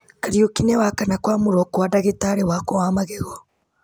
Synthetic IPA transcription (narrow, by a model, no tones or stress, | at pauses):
kaɾiokinɛwakanakwamuɾɔkuwadaɣetaɾewakɔwamaɣeɣɔ